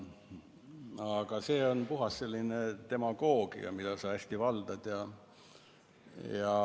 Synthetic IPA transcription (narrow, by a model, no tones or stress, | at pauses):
ɑɡ̥ɑseːo̞npuɦɑsːelːinet̪e̞mɑɡ̥o̞ːɡ̥ḭɑ̰mid̪ɑsɑæsʲt̪ivɑld̪̥ɑd̪̥jɑ | jɑ